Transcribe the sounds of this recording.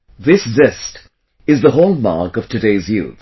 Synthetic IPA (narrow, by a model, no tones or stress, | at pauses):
ðɪszɪst | ɨzðəɦoʊlˠmɑ̰ɹkʌv̥tʰɨdeɪzjʉ̰θ